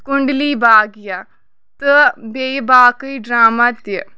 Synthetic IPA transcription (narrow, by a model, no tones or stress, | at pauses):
kuɳɖliːbaːɡja | t̪ɨbejbaːkɨjɖɾaːmat̪jə